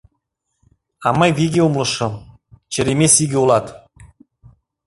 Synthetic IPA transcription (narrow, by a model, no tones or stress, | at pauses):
ɑmɑjviɡʲeumlˠɤ̆ʃɤ̆ | t͡ɕɘ̆ɾemʲesiɡʲɘulˠɑt̪